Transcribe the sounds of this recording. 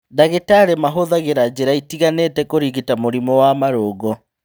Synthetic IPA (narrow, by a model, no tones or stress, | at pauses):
daɣetaɾemaɦoðaɣeɾad͡ʑeɾaitiɣaneːtɛkoɾiɣitamoɾimɔwamaɾoːɣɔ